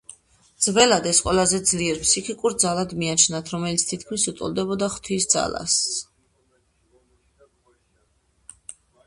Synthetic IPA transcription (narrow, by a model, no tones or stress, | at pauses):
d̪z̥vɛlad̪ɛsqʼwɛlˠazɛd̪zliɛɾpʰsikʰikʼuɾd̪zalad̪miat͡ʃʰnat̪ʰɾɔmɛlit̪sʰt̪ʰit̪ʰkʰmisut̪ʼṵlˠd̪ɛbɔd̪aχt̪ʰisd̪za̰la̰s